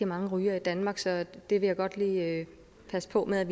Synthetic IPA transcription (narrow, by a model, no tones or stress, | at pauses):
imɑ̈ŋəʁyːɐid̥ænmɑ̈ːɡ̥sɒ̽d̥e̝ʋe̝jɑ̈ɪɡ̥ɒ̽d̥liːø | pʰæsə̥pʰɒ̽meðˠæʋ